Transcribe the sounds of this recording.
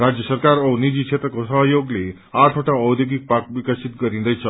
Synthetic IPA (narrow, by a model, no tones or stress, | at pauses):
ɾad͡ʑjəsəɾkaɾownid͡ʑiːkʂʰet̪ɾəkosəɦəjoɡle | aʈʰoʈaəwd̪joɡik̚pak̚ʋikəsʰit̪̚ɡəɾĩnd̪əjsʰə